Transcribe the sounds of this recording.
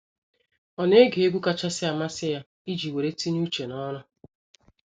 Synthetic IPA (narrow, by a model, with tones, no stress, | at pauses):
ɔ˨ne˦ɡe˨e˦ɡʷu˦ka˦t͡ʃa˦sɪ˦a˨ma˦sɪ˦ja˦ | i˦d͡ʒi˨we˨ɾe˦ti˦ɲ˦u˦t͡ʃe˨nɔ˦ɾʊ˦